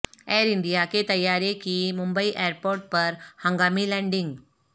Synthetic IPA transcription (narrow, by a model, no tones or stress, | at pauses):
ɛɾiɳɖijaket̪əjːaɾekiːmumbəiʔɛəɾpoɾʈ̚pəɾhə̃ŋɡamiːlɛ̃ɳɖiŋɡ